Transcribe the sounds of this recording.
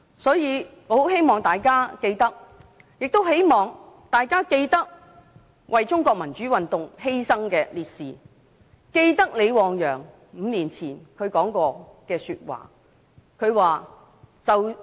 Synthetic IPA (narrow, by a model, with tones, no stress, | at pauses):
sɔː˨˥jiː˨˧ŋɔ˨˧ho˨˥whe˥jmɔː˨˩ŋt̪aː˨jkaː˥ke˧jt̪ɐ˥k̚ | jɪ˨k̚t̪o˥wɦe˥jmɔː˨ŋt̪aː˨jkaː˥ke˧jt̪ɐ˥k̚ | wʔɐ˨jt͡sʊ˥ŋkɔː˧k̚mɐ˨˩nt͡ʃyː˨˥wɐ˨nt̪ʊ˨ŋhe˥jsɐ˥ŋkɛː˧liː˨t̚siː˨˩ | ke˧jt̪ɐ˥k̚le˨˧jwɔː˨˧ŋjœː˨˩ŋ | m̩ː˨˧niː˨˩nt͡sʰiː˨˩nkʰɵ˨˧ɥkɔː˨˥ŋkɔː˧kɛː˧syː˧t̚wa̰ː˨ | kʰɵ˨˧ɥwaː˨ | t͡sɐ˨w